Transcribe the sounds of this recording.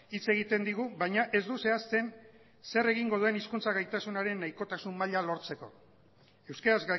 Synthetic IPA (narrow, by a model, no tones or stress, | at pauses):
it͡se̞ɣit̪e̞nd̪iɣuβajɲaʔe̞zd̪use̞ast̪e̞n | se̞re̞ɣiŋɡo̞ð̞ue̞niskunt͡saɣajt̪asunaɾe̞nːajko̞t̪asumːaʎalo̞ɾt͡se̞ko̞̰ | e̞wskaɾazɡ